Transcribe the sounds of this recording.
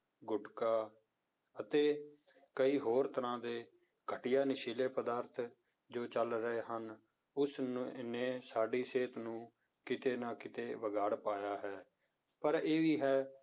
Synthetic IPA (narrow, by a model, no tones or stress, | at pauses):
ɡʊɖkaː | ət̪eː | kəiːɦoːɾt̪əɾãːd̪eː | kʰəʈɪjaːnɪʃiːleːpəd̪aːɾt̪ʰ | d͡ʒoːt͡ʃəlɾəeːɦən | ʊsnneːsaːɖiːseːt̪nũː | kɪt̪eːnãːkɪt̪eːʋəɡaːɽpaːjaːɦɛː | pəɾeːʋiːɦɛː